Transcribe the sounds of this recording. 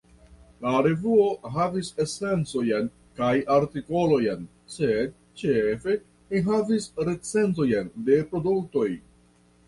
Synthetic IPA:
laɾe̞vuo̞ɦavise̞se̞nt͡so̞jen | kajaɾtiko̞lo̞jen | se̞d̚ | t͡ʃefe̞ | liɦavisɾe̞t͡se̞nto̞jende̞pɾo̞duk̚to̞j

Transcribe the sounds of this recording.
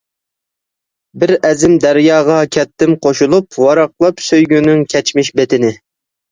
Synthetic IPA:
bɪɾɛzɪmd̪æɾjɑːʁɑkʲʰɛt̪ːɪmqʰoʃulˠupwɑɾɑqlˠɑpsøjɡʲynyŋkʲʰɛt͡ʃmɪʃbet̪ʰɪnɪ

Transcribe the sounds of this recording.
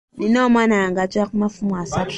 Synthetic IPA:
ninɔmanaŋɡat͡ʃakmafumasak

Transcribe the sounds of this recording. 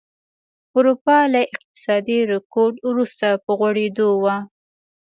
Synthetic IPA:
ʊɾupɑlaʔɪq̚t̪ɪ̥sɑd̪iɾɪkoɾɖwɾust̪apəɣwaɽed̪owa

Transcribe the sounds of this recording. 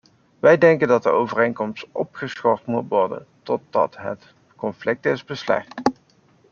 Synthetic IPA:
ʋɛjdɛŋkəndɑt̚dəowvərejnkɔmstʔɔ̰pχəsχɔɹtmutʋɔɹdə̰ntɔt̚dɑ̰tɦə̰t | kɔnflɪk̚tɪzbəslɛ̰χt

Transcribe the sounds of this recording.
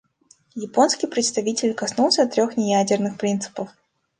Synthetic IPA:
jɪpo̞nskʲijpɾʲɪt̪st̪ɐvʲitʲɪlʲkɐsnulˠsʲəɐt̪ːɾʲo̞xnʲɪjædʲɪrnɨxpɾʲint̪sɨ̥pəf

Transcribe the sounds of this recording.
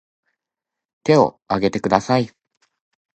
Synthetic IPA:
t̪e̞o̞̰ | aɡe̞t̪e̞kɯ̟d̪asai

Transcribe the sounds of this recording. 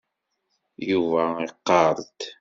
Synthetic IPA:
juvæiqːɑɾˤt̪

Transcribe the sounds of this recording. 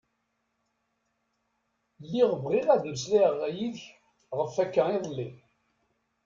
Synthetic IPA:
lːiʁəvʁiʁæðus̬liʁjiðç | ʁəfækːæiðˤəlːi

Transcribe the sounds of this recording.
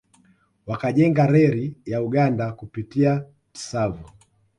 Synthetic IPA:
wakaʄɛŋɡaɾɛɾijauɠandakupitia | ti̥savu

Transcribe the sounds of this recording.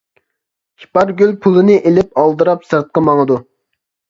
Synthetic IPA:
hi̥pɑɾɡʲylpʰulˠɨnɨʔelɪpɑlˠd̪ɨɾɑpsɨɾt̪̚qɑmɑŋəd̪u

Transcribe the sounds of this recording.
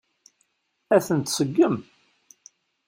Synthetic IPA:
æθənt̪səɡːəm

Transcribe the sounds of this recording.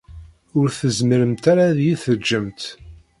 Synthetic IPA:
ʊɾθəzməɾəmt̪aɾaðjiθəd͡ʒːəmt̪

